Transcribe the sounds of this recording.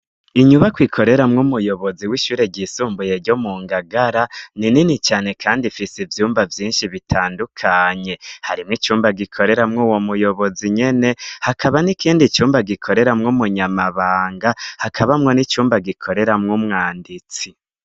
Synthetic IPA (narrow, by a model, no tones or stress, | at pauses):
iɲuβakwikʰo̞ɾe̞ɾamŋumujo̞βo̞ziwiʃuːɾe̞ɟiːsuːmbuje̞ɾɟomuːŋɡaɡaɾanininit͡ʃaːne̞kʰaːndifisivjuːmbavjiːnʃiβitʰaːndukʰaɲe̞haɾimŋit͡ʃuːmbaɡikʰo̞ɾe̞ɾamŋuːwo̞mujo̞βo̞ziɲe̞ne̞hakʰaβanikiːndit͡ʃuːmbaɡikʰo̞ɾe̞ɾamŋumuɲamaβaːŋɡahakʰaβamŋo̞nit͡ʃuːmbaɡikʰo̞ɾe̞ɾamŋumŋaːndit͡si